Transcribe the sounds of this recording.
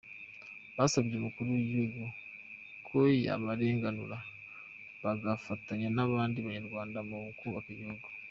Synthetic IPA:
βasaβiɾemukuɾujeɡo | kʰoja̰βaɾe̞ːŋɡanuɾa | βaɡafataɲanaβaːndiβaɲeɾɡwaːndamuŋkuβakajoɡo

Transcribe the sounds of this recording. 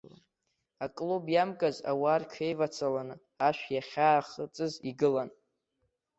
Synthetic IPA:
akʼlubjamkʼaza̰waːrkʰejvat͡sʰalanɨ | aʃᶣʷjaχʲaːχət͡sʼɨziɡɨlan

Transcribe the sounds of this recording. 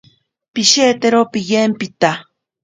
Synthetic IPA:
piʃeːt̪eɾopɪjempit̪a

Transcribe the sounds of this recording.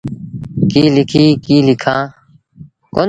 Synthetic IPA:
kiːlɪkʰiːkiːlɪkʰãː | koːn

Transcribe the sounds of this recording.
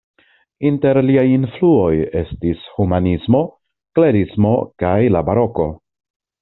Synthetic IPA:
inte̞ɾliajinfluo̞je̞stishumanismo̞ | kle̞ɾismo̞kajlabaɾo̞ko̞

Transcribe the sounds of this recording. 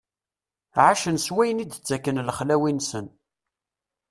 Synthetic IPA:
ʕaʃənswæjənid̪t͡sːækːənləχlæwinsən

